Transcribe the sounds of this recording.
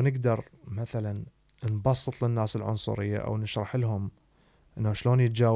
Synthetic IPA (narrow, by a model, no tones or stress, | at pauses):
nɪɡd̪ɑɾˤ | maθalan | nbɑsˤːɨt̪ˤlɪnːaːsɪlʕʊ̰nsˤʊ̰ɾɪjːa̰ʔa̰wnɪʃɾˤɑħɪlɦʊm | ʔɪnːaʃloːnjɪt̪̚d͡ʒaː